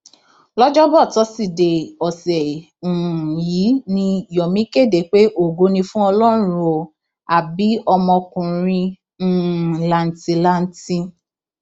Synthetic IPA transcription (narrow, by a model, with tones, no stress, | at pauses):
lɔ˦d͡ʒɔ˦bɔ˦˨tɔ˨˦si˦˨de˨ɔ˨sɛ˨ | ũ˨ji˨˦nĩ˧˨jɔ˨mĩ˦ke˦˨de˨˦k͡pe˦ʔo˦˨ɡo˨˦nĩ˧fũ˦ɔ˧lɔ˦˨ɾũũ˦o˧ | a˨bi˨˦ɔ˧mɔ̃˧kũ˨ɾ̃ĩ˧˨ | la˨n̩˨ti˧la˦n̩˦tĩ˧